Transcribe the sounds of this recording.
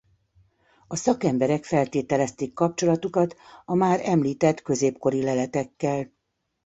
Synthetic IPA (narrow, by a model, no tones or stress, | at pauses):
ɒsɒkɛmbɛɾɛkfɛlt̪eːt̪ɛlɛst̪eːkːɒp̚t͡ʃo̞lɒt̪ukɒt̪ɒmaːɾɛmliːt̪ɛt̪kø̞zeːpko̞ɾilɛlɛt̪ɛkːɛl